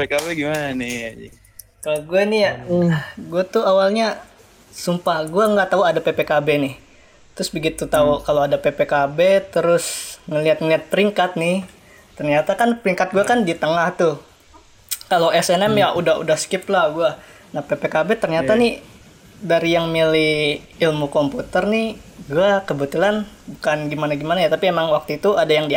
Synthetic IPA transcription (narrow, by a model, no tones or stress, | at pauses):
pekabeɡimanani | kaloɡuanija | ɡuat̪uawalɲa | sumpahɡuaŋɡaʔt̪auadapepekabenɪh | t̪ɾʊsbəɡit̪ut̪aukaloadapepekabet̪əɾʊsŋəliat̪̚ŋəliɦat̪̚pəɾiŋkat̪̚nɪh | t̪ərɲat̪akanpəɾiŋkat̪̚ɡuakandit̪əŋaht̪ʊ | kaloʔɛsɛnɛmjaʔudahṵdahskɪplahɡua | nahpepekabet̪ərɲat̪anɪ | daɾijaŋmilɪh | ilmukomput̪ərnɪhɡuakəbət̪ulanbukanɡimanaɡimanajat̪apiemaŋwak̚t̪uit̪uadajaŋdi